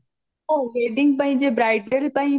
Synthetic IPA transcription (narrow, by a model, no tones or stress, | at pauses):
oɦeːɖɪ̃ŋɡ̚pɐ̃ɦɪ̃ɲd͡ʑebɾaːɪɖəɾpɐ̃ĩ